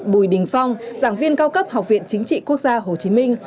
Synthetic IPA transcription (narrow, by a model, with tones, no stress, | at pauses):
ɓu˧˩jɗï˨˩ŋ̟fa˧wŋ͡mzaː˧˩ŋvi˧ənkaː˧wkə˦˥p̚ha˨˩wk͡p̚vḭ˧˨ənt͡ɕï˨˦ŋ̟t͡ɕḭ˧˨ku˦˥ək̚zaː˧ɦo˨˩t͡ɕi˨˦mï˧ŋ̟